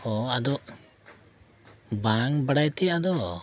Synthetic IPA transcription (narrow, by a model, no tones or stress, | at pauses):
ɔad̪ɔʔ | baŋbaɽajt̪ɛad̪ɔ